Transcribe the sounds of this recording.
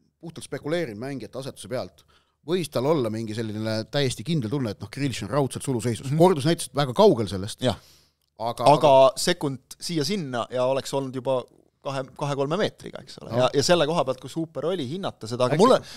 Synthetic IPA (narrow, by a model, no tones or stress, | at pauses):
puht̪ult̪spe̞kule̞ːɾinmæŋɡiet̪ːɑset̪ːˑu̥sepeɑlt̪ˑ | vɤjst̪ɑlo̞lːɑmiŋɡ̥ise̞lʲːinelet̪æjːe̞st̪ikind̪̥elt̪unːeet̪ːno̞hkriliʃonrɑwt̪selsuluse̞jsussko̞rd̪us̬næjt̪ese̥t̪væɡ̥ɑkɑwɡe̞lse̞lːest̪jɑ | ɑɡ̥ɑɑɡ̥ɑse̞kːund̪̥siːjɑsinːɑjɑo̞le̞kso̞lnud̪̥jubɑ | kɑɦekɑɦe̞ko̞lme̞me̞ːt̪rḭɡ̥ɑ̰ḛkso̞̰lḛjɑjɑse̞lːe̞ko̞ɦɑbeɑlt̪̚kusuːpːˑe̞ɾo̞lʲiɦinːɑt̪ːˑɑse̞d̪ɑɡɑɑmulː